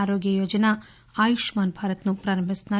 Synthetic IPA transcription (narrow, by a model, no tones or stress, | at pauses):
aːɾoːɡjɐjoːd͡ʒɐna | aːjuʃmaːnbʱaːɾɐt̪nupɾaːɾɐmbisnɐ